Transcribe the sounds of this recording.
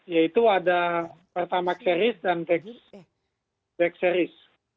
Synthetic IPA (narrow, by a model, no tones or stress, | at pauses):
jait̪uadapərt̪amaksɛɾɪsdant̪ɛks | bɛksɛɾɪs